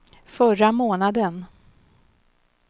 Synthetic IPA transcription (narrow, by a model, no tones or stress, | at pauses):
fœramoːnad̪ən